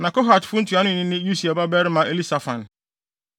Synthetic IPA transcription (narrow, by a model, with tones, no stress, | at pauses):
nã˨kɔ˦ɦa˨tfʊ˦n̩˦tʰu˨a˨˦nʊ̃˦˨nɪ̃˦nɪ̃˦ju˦si˨a˨ba˦bɛ˦ɾɪ˦mã˨˦ʔe˦˨li˦sa˨fã˨n